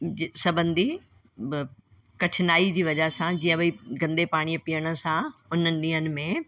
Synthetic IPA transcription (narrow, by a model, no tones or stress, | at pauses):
sɐbə̃nd̪i | kɐʈʰɪnaːid͡ʑiːʋɐd͡ʑaɦsãd͡ʑĩːə̃biɡɐ̃nd̪epaːɽ̃ipijəɽ̃ə̆sãʊnənɪ̆ɗĩːɦənɪ̆mẽ